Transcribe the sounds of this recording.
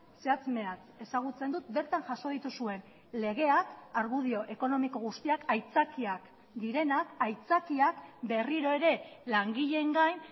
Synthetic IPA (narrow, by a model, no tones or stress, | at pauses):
seat͡sme̞at͡s | e̞saɣ̞ut͡se̞nd̪ut̪̚be̞ɾt̪anʝaʃo̞ð̞it̪usue̞n | le̞ɣ̞e̞akaɾɣuð̞io̞ʔe̞ko̞no̞miko̞ɣ̞ust̪iakajt͡sakiak | d̪iɾe̞nakajt͡sakiakbe̞riɾo̞e̞ɾe̞laŋɡiʎe̞ŋɡajn